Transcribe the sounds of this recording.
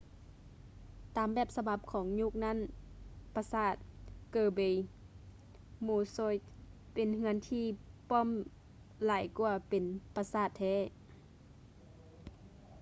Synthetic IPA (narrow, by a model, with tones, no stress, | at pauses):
t̪aː˨mbɛː˧˩p̚sa˧ba˧˦p̚kʰɔː˨˦ŋɲu˧˥˨k̚na˧˥˨npa˧saː˧˩t̪̚kɤː˧˩be˧˩j | muː˧˩so˧˥˨jt̚ | pe˨nŋɯ˧˥ə˨nt̪ʰiː˧pɔː˧˥˨m | laː˨˩˦jku˧ɐpe˨npa˧saː˧˩t̪ʰːɛː˧˥˨